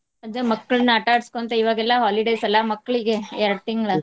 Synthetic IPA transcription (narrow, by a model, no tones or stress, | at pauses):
ɐd͡ʒɐmɐkːɐɭɐnːɐɐʈaːɽskont̪ɐiʋaːɡɛlːɐɦaːliɖejsɐlːɐmɐkːɐɭiɡe̞ɛɾɐt̪iŋɡɐɭɐ